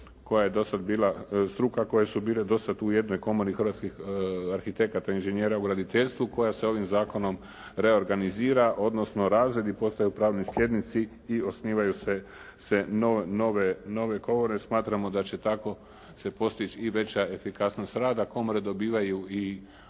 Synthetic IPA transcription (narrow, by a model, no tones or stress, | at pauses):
ko̞jaje̞d̪o̞sad̪biːlast̪ɾuːkako̞jesubiːle̞d̪osad̪uje̞d̪no̞jko̞monixɾʋat̪skixaɾxit̪e̞kat̪ainʒenjeːɾauɡɾad̪it̪e̞ʎʲst̪ʋuko̞jase̞o̞ʋimzaːko̞no̞m | ɾe̞o̞ɾɡaniziːɾaʔo̞d̪no̞sno̞ɾaːzɾe̞d̪ipo̞st̪ajupɾaːʋnislʲʎʲe̞d̪nit̪siː | o̞sniːʋajuse̞ | se̞nonoʋeno̞ʋe̞ɡo̞ʋo̞ɾesmaːt̪ɾamo̞d̪at͡ɕe̞t̪ako̞ | se̞po̞st̪it͡ʃiʋe̞t͡ɕae̞fikasno̞st̪ɾaːd̪ako̞moɾed̪o̞biːʋajui